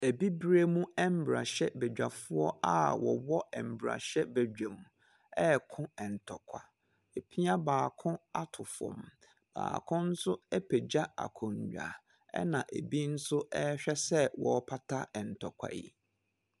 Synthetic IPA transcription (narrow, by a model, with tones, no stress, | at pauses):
e˨bi˦bɾe˦mũ˦ɛ˦m̩˦bɾa˨ɕɛ˦bɛ˨d͡ʑᶣa˨fʊ˦ɔ˦a̰˦˨wɔ˨wɔ˦ɛ˨m̩˨bɾa̰˨ɕɛ˦be˨d͡ʑᶣa˨mũ˨ | ɛ˦˨kʰʊ̃˦ɛ̃˨n̩˨tʰɔ˨kʷʰa̰˨ | e˨pʰi˦a˦baː˨kʰʊ̃˦a˦tʰʊ˨fɔ̰̃˨m | b̥a̰ː˨kʰʊ̃˦n̩˦sʊ˦ɛ˦pʰe˨d͡ʑa˦a̰˨kʰɔ̃˨ɲ˨ɥᶣa̰˨ | ɛ̰˦nã˨ʔe˨bi˦n̩˦sʊ˦ɛ˦ɕᶣɛ˦sɛ˦wɔ˨˦pʰa˦tʰa˦ɛ˨n̩˨tʰɔ˨kʷʰa̰˨jḭ˨